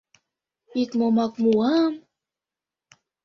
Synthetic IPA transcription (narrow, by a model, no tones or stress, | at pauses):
it̪momɑkmuɑm